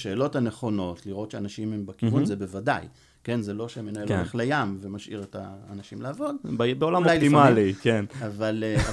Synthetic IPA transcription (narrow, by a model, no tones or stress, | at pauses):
ʃe̞ːlo̞thane̞χo̞no̞tliʁo̞tʃeanaʃimhembekivunzebe̞vada̰j | ke̞nzelo̞ʃemenaeloeχlejamvemaʃḭʁetaːnaʃimlaːvo̞dbeolamlajliimalikenavale